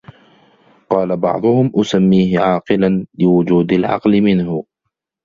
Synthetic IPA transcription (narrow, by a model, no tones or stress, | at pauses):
qɑːlabɑ̰ʕd̪ˤʊhʊmʔʊsamːiːhɪʕɑːqɨlanlɪwʊd͡ʒuːd̪alʕɑ̰qlɪmɪnhʊ